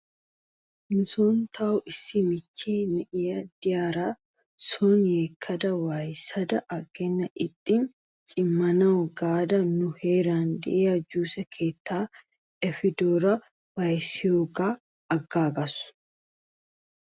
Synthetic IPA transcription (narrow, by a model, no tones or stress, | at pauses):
nʊsoːnt̪ʰɐwʊʔɪsːɪmɪt͡ʃːiːnɛʔɪjɐd̪ɪjaːɾaː | sɔnjeːkʰːɐd̪ɐwaːjsɐd̪ɐʔɐɡɛnːɐʔɪt̪ʼːin | t͡ʃʼɪmːɐnɐwɡaːd̪ɐnʊheːɾaːnd̪ɪ̰ʔejɐd͡ʒuːsɛkʰe̞ːt̪ʰːaː | ɛfɪd̪oːɾɐ | waːjsɪjoːɡaː | ɐɡːaːɡɐsʊ̥